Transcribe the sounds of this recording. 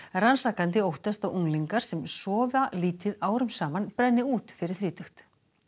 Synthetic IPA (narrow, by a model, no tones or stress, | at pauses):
ransaːkant̪̬ɪowht̪ast̪avuŋliŋkaɾ̥sɛmsɔːvaliːt̪ɪðaːwɾʏmsaːmanpɾɛnːɪuːt̪fɪɾɪɾ̥θɾiːt̪ʏxt̪